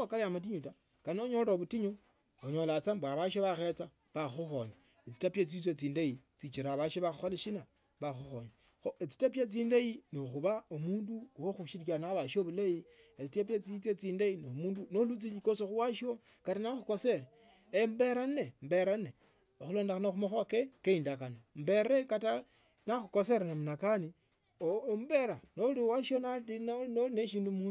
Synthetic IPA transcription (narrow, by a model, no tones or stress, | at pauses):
okalamat̬iɲuta | kanioɲoloβutiɲo | oɲo̞lat͡sambaβaʃ̬oβaxet͡sa | βaxuxoɲwa | et͡si̥tapjet͡sit͡swet͡siːndait͡sit͡ʃiɾaβaʃoβaxuxoleʃina | βaxuxoɲwa | xoʔet͡si̥tapjat͡siːndajinoxuβaomuːnduwoxuʃiɾkanaβaʃioβulajiet͡sitapjat͡sit͡set͡siːndainomuːndunolut͡silikosoxuwaʃo | katanaxukoseɾe | embeɾanembeɾane | oxulo̞ːndexanoxumoxwakekeindakanam̩beɾekata | naxukoseɾanamunakani | ombeɾanoliwaʃonainnoneʃiːndumuː